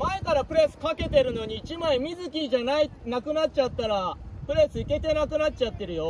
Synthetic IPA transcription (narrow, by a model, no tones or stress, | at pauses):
maekaɾapɯ̟ɾesɨ̥kake̞t̪e̞ɾɯ̟no̞ɲ̟iːt͡ɕimaemʲizɨkʲiʑanainakɯ̟nat͡ɕat̪ːaɾapɯ̟ɾesɨike̞t̪e̞nakɯ̟nat͡ɕ̚t͡ɕat̪ːe̞ɾɯ̟jo̞